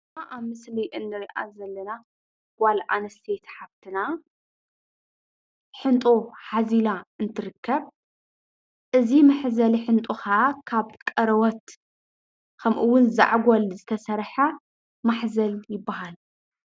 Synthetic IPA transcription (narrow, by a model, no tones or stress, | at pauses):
ʔaβmɨsliʔɨnːɨɾiʔa̰zɐlːɐna | ɡ̥ʷalʔanɐst̪ʰet̪ħaβt̪ʰɨna | ħɨnt̪ʼoħazilaɨnt̪ʰɨɾɨkʰːɐβ | ʔɨzimɐħzɐliħɨnt̪ʼuxakʰaβkʼɐɾɐwɔt̪ | kʰɐmʔɨwːʊnza̰ʕɡolzɨt̪ʰɐsɐɾħa | maħzɐljɪbːaɦal